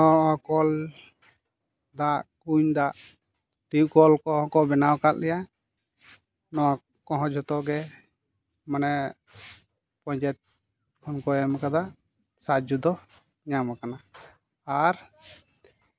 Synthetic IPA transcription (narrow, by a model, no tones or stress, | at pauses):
ɔãkɔl | d̪aʔkuɲd̪aʔ | ʈiwkɔlkɔɦɔ̃kɔbɛnawkat̪̚lɛja | nɔwa | kɔɦɔ̃d͡ʒɔt̪ɔɡɛ | manɛ | pɔ̃ɲd͡ʒɛt̪̚ | kʰɔnkɔjɛmakad̪a | sad͡ʒud̪ɔ | ɲamakanaː | ɾ